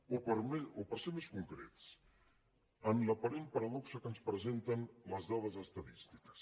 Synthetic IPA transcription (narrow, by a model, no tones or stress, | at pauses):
oəɾmeupəɾsemeskuŋkɾet̪s | ənləpaɾen̚pɐɾɐðɔksəkənspɾəzent̪ənləzðaðəzəst̪ɐðist̪i̥kə̥s